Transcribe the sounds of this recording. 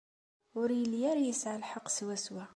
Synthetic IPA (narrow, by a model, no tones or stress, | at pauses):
ʊɾjəljæɾjəsʕalħɑqːswæswæ